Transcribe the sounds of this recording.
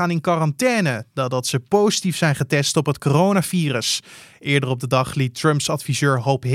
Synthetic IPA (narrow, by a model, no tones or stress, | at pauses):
aːnɪnkɑrɑntɛːnədadɑtsəpowzitifsɛjnχətɛstɔpɦətkorownaːviːrəsʔɪːɹdərɔb̚dədɑχlitrɵmpsɑtfizøːɹɦowpɦ